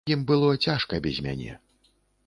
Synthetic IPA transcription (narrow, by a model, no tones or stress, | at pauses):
imbɨlˠɔt͡sʲaʂkɐbʲɛzʲmʲa̰nʲɛ̰